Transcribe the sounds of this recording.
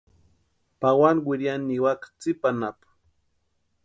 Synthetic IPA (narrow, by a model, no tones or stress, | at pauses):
pawanwɪɾjanːiwakt͡sɪpanap